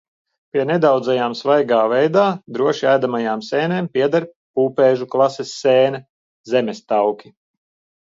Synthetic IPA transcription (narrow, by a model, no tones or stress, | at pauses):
piɛnɛd̪awd̪zajaːmsvajɡaːvɛjd̪aːd̪ɾuɔʃiæːd̪amajaːmsɛːneːmpʲiɛd̪aɾ | puːpɛːʒuklˠasɛsːɛːnɛ | zemʲɛst̪awkʲi